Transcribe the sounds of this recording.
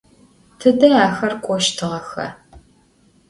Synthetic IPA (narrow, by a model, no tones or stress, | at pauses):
tʰɨdɐaːxɐrkʷʼɔʃtʰɨʁɐxɐ̰